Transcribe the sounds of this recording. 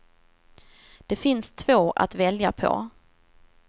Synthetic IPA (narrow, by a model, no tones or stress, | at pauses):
d̪̥ɛfɪnst̪ʰv̥oːʔa̰t̪vɛljapʰɔ̰